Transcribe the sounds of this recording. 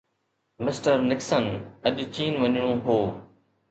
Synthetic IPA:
mɪsʈəɾnɪksənəʄt͡ʃiːnʋəɲɽ̃õːɦoː

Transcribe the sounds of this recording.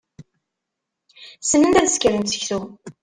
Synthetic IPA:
sənːənd̪æðskəɾənsə̥çθu

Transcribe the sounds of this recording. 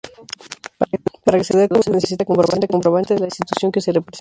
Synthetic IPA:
paɾakeseðeoseneses̬it̪akompɾoβant̪akompɾoβant̪eðelainst̪it̪usjo̞ŋkeserepɾes

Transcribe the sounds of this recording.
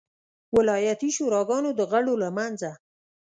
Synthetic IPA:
wɪlɑjat̪iʃuɾɑɡɑnod̪əɣaɽolamanza

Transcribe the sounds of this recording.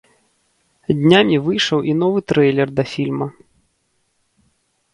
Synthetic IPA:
d̪ʲnʲamʲivɨjʂɐwʔin̪ɔvɨt̪ɾɛjlʲɛrd̪ɐfʲilʲmɐ

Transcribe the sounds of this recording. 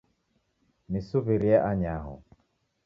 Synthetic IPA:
misuβiɾiaʔaɲaɦɔ̰

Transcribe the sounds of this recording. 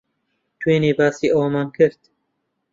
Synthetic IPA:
t̪ʰweːniːbaːsiːʔoːwmaːnkʰɨɾt̪

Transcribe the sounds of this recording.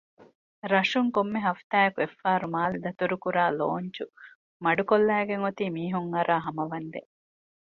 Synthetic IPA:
ɾɐʂuŋkomːeɦɐft̪aːjɐkuefːaːɾumaːlud̪ɐt̪uɾukuɾaːloːɲt͡ʃu | mɐɖukolːæːɡeŋot̪iːmiːɦuŋɐɾaːɦɐmɐʋɐnd̪e

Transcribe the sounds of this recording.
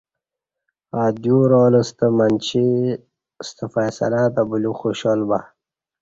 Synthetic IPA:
aːd̪juɾoːləst̪əmant͡ɕʰi | st̪əfajsɐ̰lad̪abuluxuɕolba̰

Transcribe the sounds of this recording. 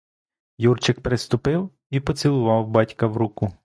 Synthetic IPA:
jurt͡ʃɪkpɾɪst̪ʊpɪw | ipɔt͡sʲilˠʊʋɑwbɑtʲkɐwɾukʊ

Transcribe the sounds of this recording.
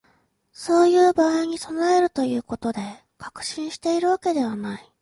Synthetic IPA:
so̞ːjɯ̟ːbaːiɲ̟iso̞nae̞ɾɯ̟t̪o̞jɯ̟ːko̞t̪o̞d̪e̞ | kakɯ̟̥ɕĩɰ̃ɕi̥t̪e̞iɾɯ̟βake̞d̪e̞β̞anai

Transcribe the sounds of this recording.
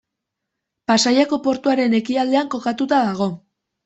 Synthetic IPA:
pasajako̞po̞ɾt̪uaɾe̞ne̞kiald̪e̞aŋko̞kat̪ut̪aðaɣ̞o̞

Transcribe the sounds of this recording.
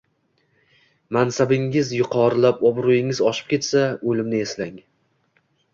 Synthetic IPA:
mansabɪŋɪzjʊqʰɒɾɪlapɒbɾʊjɪŋɪzɒʃɪ̥p̚kʲe̞t̪saɵlɪmnɪeslaŋ

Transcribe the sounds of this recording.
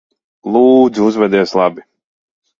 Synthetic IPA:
lˠuːd̪zuzvɛd̪iɛslˠabi

